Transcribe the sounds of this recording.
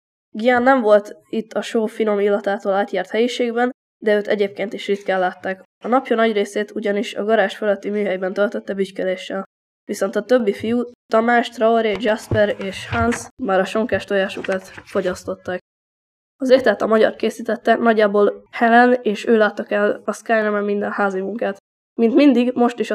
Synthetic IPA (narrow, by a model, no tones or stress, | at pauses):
ɡijanːɛɱvo̞lt̪it̪ːɒʃoːfino̞milːɒt̪aːt̪oːlaːt̪jaːrt̪hɛjiʃeːɡbɛn | d̪ɛøːt̪ɛ̰ɟeːp̚keːnt̪iʃrit̪kaːlːaːt̪ːaːk | ɒnɒpjɒnɒɟreːseːt̪uɟɒniʃɒ̰ɡɒɾaːʃføløt̪ːimyːɦɛjbɛnt̪ølt̪øt̪ːɛbyckɛleːʃːɛl | viso̞nt̪ɒt̪øbːifijut̪ɒmaːʃt̪rɒoɾed͡ʒɛspɛɾeːʃhansmaːɾɒʃo̞ŋkaːʃt̪ojaːʃukɒt̪fo̞ɟɒst̪o̞t̪ːaːk̚ | ɒzeːt̪ɛt̪ɒmɒɟɒ̰rkeːsiːt̪ɛt̪ːɛnɒɟːaːbolhɛlɛneːʃøːlaːt̪ːɒkɛlɒskajnɛmɛmmind̪ɛnhaːzimuŋkaːt̪ | mint̪mind̪iɡmo̞ʃt̪iʃɒ